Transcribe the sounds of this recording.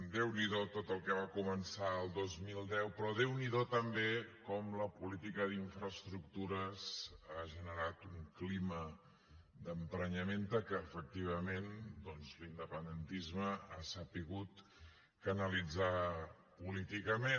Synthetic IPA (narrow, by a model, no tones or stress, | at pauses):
d̪ewniðot̪ot̪əlˠkɛβakumənsaəlˠd̪ozmilˠd̪ɛwpɾɔðewniðot̪əmbekɔmləpulit̪ikəðiɱfɾəst̪ɾuk̚t̪uɾəszaʒənəɾat̪uŋklimə | d̪əmpɾəɲəment̪əkəːfək̚t̪iβ̞əmend̪ɔnzlind̪əpənd̪ənt̪izməa̰səpiɣut̪ | kənəlid͡za | pulit̪ikəme